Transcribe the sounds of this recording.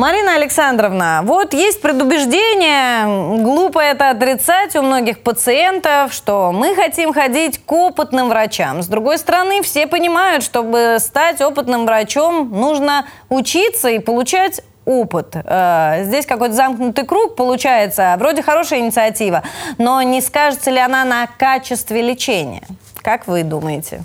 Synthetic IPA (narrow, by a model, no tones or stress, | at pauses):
mɐɾʲinəɐlʲɪksand̪ɾəvnəvo̞t̪jesʲt̚ʲpɾʲɪd̪ʊbʲɪʐdʲenʲɪjəɡlˠupəɛt̪əɐt̪̬ɾʲɪt̪satʲʊmno̞ɡʲɪxpət̪sɨe̞nt̪əfʂt̪o̞mɨxɐtʲimxɐdʲitʲkopɨt̪nɨmvɾɐt͡ɕa̰mzd̪ɾʊɡo̞jst̪əɾɐnɨfsʲe̞pənʲɪmajʊt̪ʂt̪o̞bɨst̪atʲo̞pɨt̪nɨmvɾɐt͡ɕo̞mnuʐnə | ʊt͡ɕit̪səipəlˠʊt͡ɕætʲ | opɨt̪əzʲdʲesʲkɐko̞jt̪əzamknʊt̪ɨjkɾuk̚pəlˠʊt͡ɕæjɪt̪səvɾo̞dʲɪxɐɾo̞ʂɨjəɪnʲɪt̪sɨɐtʲivəno̞nʲɪskaʐɨt̪səlʲɪɐnanɐkat͡ɕɪst̪vʲɪlʲɪt͡ɕenʲɪ̰jə̰ | kakvɨd̪uməjɪtʲɪ̰